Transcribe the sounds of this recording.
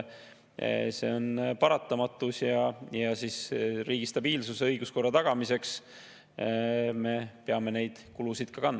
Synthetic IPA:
se̞̰o̞npɑɾɑt̪ːˑɑmɑt̪ːˑusjɑjɑsisriːɡ̥ist̪ɑb̥iːlsuseɤjɡ̥usko̞rːɑt̪ɑɡ̥ɑmise̞ks | me̞peɑme̞ne̞jd̪̥kulusid̪̥̚kɑkɑnː

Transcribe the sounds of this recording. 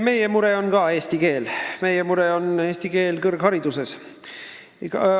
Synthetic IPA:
me̞jemuɾe̞o̞nɡ̥ɑeːsʲt̪ike̞ːlme̞jemuɾe̞o̞neːsʲt̪ike̞ːlkɤrɡ̥hɑɾid̪̥use̞s | kɑ

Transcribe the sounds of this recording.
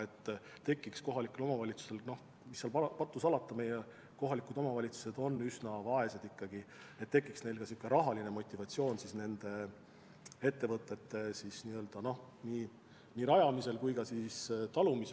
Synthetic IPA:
e̞t̪ː | t̪e̞kˑːiksko̞ɦɑlikːˑulo̞mɑvɑlʲit̪su̥se̞lno̞h | misːeɑlpɑpɑt̪ːˑusɑlɑt̪ːˑɑmeje | ko̞ɦɑlikud̪o̞mɑvɑlʲit̪su̥se̞d̪̥o̞nːysnɑvɑe̞sed̪ikːɑɡ̥i | et̪ːe̞kːˑiksne̞jlkɑsikːˑeɾɑɦɑline̞mo̞t̪ʲːˑivɑt̪sio̞ːnsisne̞nd̪̥e̞ | e̞t̪ːe̞vɤt̪ːˑe̞t̪ːe̞sisniːø̞ld̪̥ɑno̞h | niː | niɾɑjɑmise̞lkujkɑsist̪ɑlumise

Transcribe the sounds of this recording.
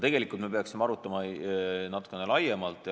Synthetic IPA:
t̪e̞ɡ̥e̞likːˑult̪me̞pe̞ɑksimeɑɾut̪ːˑɑmɑnɑt̪ˑu̥kːˑene̞lɑjemɑlt̪ːˑ

